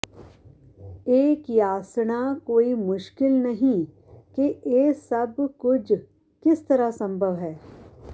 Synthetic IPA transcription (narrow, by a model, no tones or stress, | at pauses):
eːkjaːsɽakoːimʊʃkɪlnɐɦĩ | keʔeːsɐbkʊd͡ʒ | kɪst̪ɐɾasɐ̃mbʱəʋɦɛː